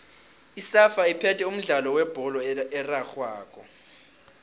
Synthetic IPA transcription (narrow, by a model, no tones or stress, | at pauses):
isafaipʰɛtʰʼɛum̩ɮalɔwɛb̥ʱɔlɔɛraxwaːk̬ʰʼɔ